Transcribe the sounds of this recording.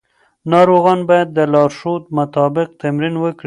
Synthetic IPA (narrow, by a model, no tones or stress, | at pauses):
nɑɾoɣɑnbɑjad̪ːəlɑɾʃot̪̚mʊt̪ɑbɪq̚t̪amɾinwəkɽi